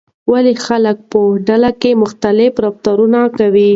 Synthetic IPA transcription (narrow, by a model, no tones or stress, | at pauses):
walexalək̚pəɖalakemʊxt̪alɪfɾaft̪aɾunakawi